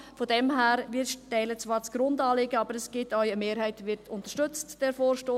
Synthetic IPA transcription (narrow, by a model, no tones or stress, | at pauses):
fɔdɛmɦæːɾvɪʃtɛɪlət͡svɑːɾt͡sɡ̥ɾʊndɑːlɪɡəɑbəɾɛsɡ̥ɪtœʏəmeːɾhæɪtʋɪɾtʊntəʃtʏt͡std̥ɛɾfoːʃtoː